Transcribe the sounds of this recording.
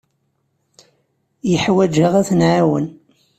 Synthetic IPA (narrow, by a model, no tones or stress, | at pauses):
jəħwæd͡ʒaʁæθənʕawə̰n